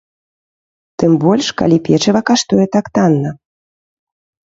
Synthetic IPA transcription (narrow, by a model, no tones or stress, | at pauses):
t̪ɨmbɔlʲʂka̰lʲipʲɛt͡ʂɨvɐkaʂt̪ujɛt̪akt̪anːɐ